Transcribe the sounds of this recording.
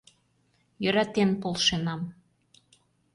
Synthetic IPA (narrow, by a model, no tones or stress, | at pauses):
jø̆ɾɑt̪enpolʃenɑm